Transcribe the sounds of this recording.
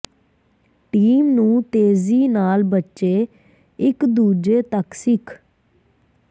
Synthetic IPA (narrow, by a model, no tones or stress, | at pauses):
ʈiːmnũːt̪eːziːnaːlbətːʃeː | ɪkd̪uːd͡ʒeːt̪əksɪkʰ